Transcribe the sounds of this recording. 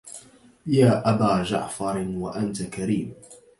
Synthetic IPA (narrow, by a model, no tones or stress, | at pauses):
jaːʔabaːd͡ʒa̰ʕfɑɾwaʔant̪akaɾiːm